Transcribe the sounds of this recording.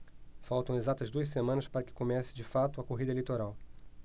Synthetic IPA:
fawt̪ɐ̃w̃ezat̪ɐzd̪uɐs̬emɐ̃nɐspaɾɐkɪ̥komɛsɪ̥d͡ʒɪfat̪ʊɐkoɦid̪ɐelit̪oɾaw

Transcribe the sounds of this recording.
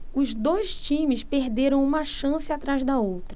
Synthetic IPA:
ʊzd̪ojʃt͡ʃĩmɪspehd̪eɾɐ̃w̃ũmɐʃɐ̃sɪat̪ɾazd̪ɐowt̪ɾɐ

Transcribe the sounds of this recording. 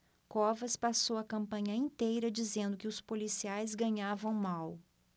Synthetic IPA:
kɔvɐspasowɐkɐ̃mpɐ̃ɲɐĩnt̪ejɾɐd͡ʒizẽnd̪ʊkɪʊspolisiajzɡɐ̃ɲavɐ̃w̃maw

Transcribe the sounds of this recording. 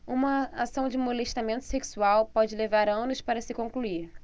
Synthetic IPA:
ũmɐasɐ̃w̃d͡ʒɪmoleʃt̪amẽnt̪ʊ̥seksuawpɔd͡ʒɪlevaɾɐ̃nʊʃpaɾɐsɪkõŋkluiɾ

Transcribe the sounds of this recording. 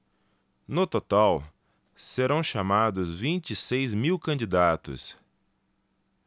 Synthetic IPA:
nʊt̪ot̪aw | seɾɐ̃w̃ʃamad̪ʊzvĩnt͡ʃisejzmiwkɐ̃nd͡ʒid̪at̪ʊ̰s

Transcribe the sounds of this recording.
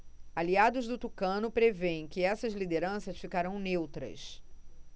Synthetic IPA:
aliad̪ʊzd̪ʊt̪ukɐ̃nʊpɾevẽj̃kɪɛsɐzlid̪eɾɐ̃sɐʃfikaɾɐ̃w̃newt̪ɾɐ̰s

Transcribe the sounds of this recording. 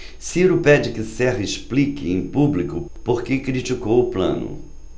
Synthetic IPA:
siɾʊpɛd͡ʒɪkɪsɛʁɐɪsplikɪẽj̃publikʊpoɾkekɾit͡ʃikowʊplɐ̰̃nʊ̰

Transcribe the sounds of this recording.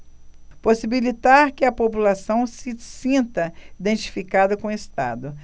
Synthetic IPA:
posibilit̪aɾkɪɐpopulasɐ̃w̃sɪsĩnt̪ɐid̪ẽnt͡ʃi̥fikad̪ɐkõest̪a̰d̪ʊ

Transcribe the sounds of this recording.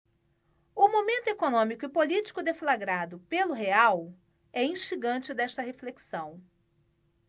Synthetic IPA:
ʊmomẽnt̪ʊekonõmikʊɪpolit͡ʃi̥kʊd̪eflaɡɾad̪ʊpelʊɦeaw | ɛĩʃt͡ʃiɡɐ̃nt͡ʃɪd̪ɛʃt̪ɐɦefleksɐ̃w̃

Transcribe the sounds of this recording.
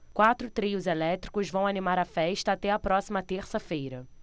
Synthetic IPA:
kwat̪ɾʊt̪ɾiʊzelɛt̪ɾikʊzvɐ̃w̃animaɾɐfɛʃt̪ɐːt̪ɛɐpɾɔsimɐt̪eɾsɐfejɾɐ

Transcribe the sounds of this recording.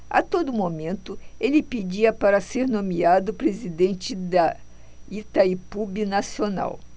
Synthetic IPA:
a̰t̪od̪ʊmomẽnt̪ʊelɪped͡ʒiɐpaɾɐseɾnõmiad̪ʊpɾezid̪ẽnt͡ʃɪd̪ɐ | it̪aipubinasiona̰w

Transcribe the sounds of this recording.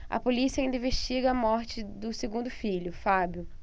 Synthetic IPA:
ɐ̰polisiɐaĩnĩveʃt͡ʃiɡɐɐmɔɾt͡ʃɪd̪ʊseɡũnd̪ʊfiʎʊfabjʊ

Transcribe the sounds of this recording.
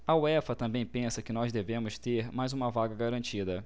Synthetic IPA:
ɐuɛfɐt̪ɐ̃mbẽj̃pẽsɐkɪnɔzd̪evẽmʊst̪eɾmajzũmɐvaɡɐɡaɾɐ̃t͡ʃid̪ɐ

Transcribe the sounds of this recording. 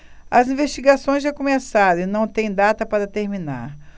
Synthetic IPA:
ɐzĩveʃt͡ʃiɡasõj̃zʒakõmesaɾ̃ɪnɐ̃w̃t̪ẽj̃d̪at̪ɐpaɾɐt̪eɾmina̰ɾ

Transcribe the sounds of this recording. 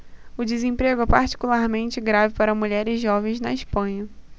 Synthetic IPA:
ʊd͡ʒɪzẽpɾeɡʊɛpaɾt͡ʃi̥kulaɾmẽnt͡ʃɪɡɾavɪpaɾɐmuʎɛɾɪzʒɔvẽj̃znɐiʃpɐ̃ɲɐ

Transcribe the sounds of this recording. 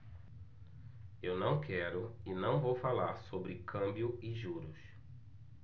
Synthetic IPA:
ewnɐ̃w̃kʰɛɾʊɪnɐ̃w̃vowfalaɾsobɾɪkʰɐ̃mbjʊɪʒuɾʊs

